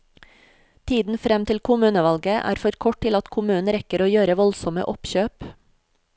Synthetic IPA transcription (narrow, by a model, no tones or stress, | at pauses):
t̪ʰiːd̪n̩fɾɛmt̪ʰɪlkʰʊmʉːnəʋɑlɡəʔæ̰ːɾfɔɾkʰɔʈ̚tɪlɑt̪kʰʊmʉːnn̩ɾɛkəɾoːjøːɾəʋɔlsɔmə̰ʔɔpçøːp